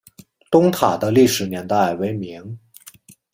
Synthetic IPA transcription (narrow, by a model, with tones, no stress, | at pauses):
t̪ʊ˥ŋt̪ʰa˨˩d̪ə˦li˥˩ʂɻ̩˨˩njɛ˧˥nt̪a˥˩ɪwe˧˥ɪmi˧˥ŋ